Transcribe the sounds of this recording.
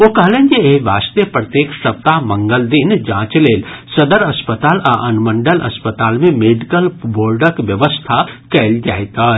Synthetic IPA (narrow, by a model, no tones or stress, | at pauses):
okɐɦlẽnd͡ʒeeʋaːst̪jəpɾɐt̪jeːkʃɐp̚t̪amɐ̃ŋɡəld̪ind͡ʒãːt͡ʃleːlsɐd̪əɾɐspət̪aːla̰ʔɐnmə̃ɳɖəlɐ̰spət̪aːlmẽmeːɖikəlboːɾɖəkʋjəʋəst̪ʰakɐld͡ʒa̰ːet̪aː